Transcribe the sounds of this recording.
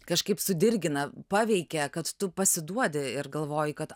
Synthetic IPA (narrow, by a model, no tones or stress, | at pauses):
kɐʃkɐɪpsʊd̪ʲɪrʲɡʲɪnɐpɑːʋʲɛɪkʲɛkɐt̪t̪ʊpɐsʲɪd̪uɔd̪ʲɪɪɾɡɐlˠʋoːjɪkɐt̪